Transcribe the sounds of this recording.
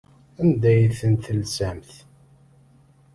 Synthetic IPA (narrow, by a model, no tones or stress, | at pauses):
ænd̪æjθənt̪lsæmθ